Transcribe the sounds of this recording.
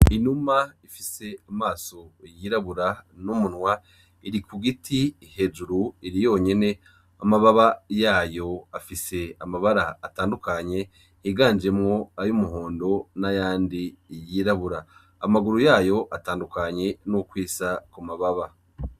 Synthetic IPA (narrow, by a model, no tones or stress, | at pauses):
iɲumaifise̞amaːso̞jiɾaβuɾanumunwa | iɾikuɡitihe̞d͡ʒuɾuiɾijo̞ːɲe̞ne̞ | amaβaβajaːjo̞afise̞amaβaɾaːtaːndukaɲe̞ | hiɡaːnd͡ʒe̞mŋo̞ajumuɦo̞ːndo̞najaːndijiːɾaβuɾaː | maɡuɾujaːjo̞ʔataːndukaɲe̞nukwiːsakumaβaβa